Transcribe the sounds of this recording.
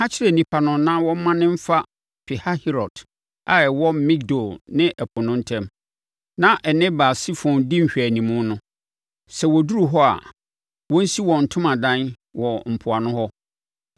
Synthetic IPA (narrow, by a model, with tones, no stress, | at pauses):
ha˦t͡ɕʰɪ˦ɾɛ˨nĩ˨pʰa˨nʊ̃˨nã˦wɔ̃˦mːã˦nɪ̃˦m̩˦fa˦ | pʰɪ˨ha˦hɛ˦ɾɔ˨d̥ | a˨ɛ˨wɔ˦mĩ˦k̚do˨lnɪ̃˦ʔɛ˨pʰʊ˨nʊ̃˦n̩˦tʰɛ̃˦m | nã˦ʔɛ˨nɪ̃˦baː˨si˦fɔ̃˨ndɪ˦m̩˨ɕᶣæ˨nĩ˨mʊ̃˦nʊ̃˦ | sɛ˨wɔ˨du˦ɾu˨ɦɔ˦a̰˨ | wɔ̃˦n̩˦si˦wɔ˨n̩˨tʰʊ̃˦mã˨dã˦n | wɔ˨m̩˨pʰʊ˨a˨nʊ̃˦hɔ˦